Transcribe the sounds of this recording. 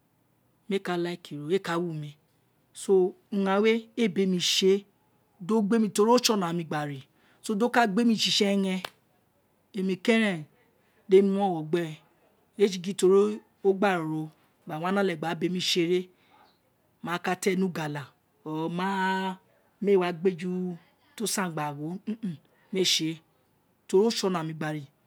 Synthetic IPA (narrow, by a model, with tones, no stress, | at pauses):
me˦˨ka˧la˦i˦˨ki˨ɾo˨˦e˦˨ka˨˦wu˦˨mĩ˧ | so˦ | ã˧˦we˦e˦˨be˨˧mĩ˧ʃe˧ | do˦ɡ͡be˦mĩ˧to˧˦ɾi˦o˦t͡ʃɔ˦˨nã˨mĩ˧˨ɡ͡ba˨ɾi˨ | so˦do˦ka˦ɡ͡be˦mĩ˧˦ʃi˧˦ʃɛ˦˧˦ŋɛ̃˧ | e˧mĩ˧kɛ˦ɾɛ̃˦˨ | de˦mĩ˦w̃ɔ̃˦˨wɔ˨ɡ͡bɛ˦˨ | ɾe˦ʃi˧ɡi˦to˧ɾi˦ | o˦ɡ͡ba˦˨ɾɾo˧˨ | ɡ͡ba˨w̃ã˨˦nã˦lɛ˨ɡ͡ba˨˦be˧mĩ˧˦ʃe˧ɾe˦ | mãː˨˦ka˧tɛ˦˨nũ˦ɡa˨la˨ | ɔ˨mã˦ | me˦˨wa˨˦ɡ͡be˦d͡ʒu˦ | to˦sã˦˨ɡ͡ba˨wo˨˦˨ | me˦˨ʃe˧ | to˧ɾi˦o˦ʃɔ˧˨nã˨mĩ˧ɡ͡ba˨ɾi˨